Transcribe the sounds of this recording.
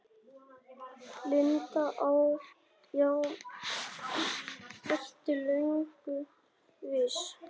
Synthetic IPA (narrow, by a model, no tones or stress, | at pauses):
lɪnt̪aʔaw | jaw | ɛrt̪ɪlœŋkʏ | vɪɾ̥